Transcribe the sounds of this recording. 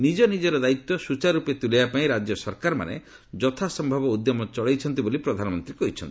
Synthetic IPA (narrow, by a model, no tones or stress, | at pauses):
nid͡ʒɔnid͡ʒɔɾɔd̪ait̪ːɔsut͡ʃaɾupet̪ulijapaĩɾad͡ʒjɔsɔɾkaɾma̰nḛ | d͡ʒɔt̪ʰasɔmbʱabɔud̪jɔmɔt͡ʃɔɭejt͡ʃʰɔnt̪̬ibolipɾɔd̪ʱanɔmɔnt̪ɾikɔɦit͡ʃʰɔnt̪i̥